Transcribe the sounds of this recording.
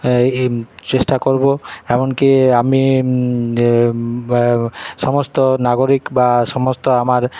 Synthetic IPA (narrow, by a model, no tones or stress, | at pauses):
t͡ɕesʈakoɾboɛmonkiami | ʃɔmost̪onaɡoɾikbaʃɔmost̪oamaɾ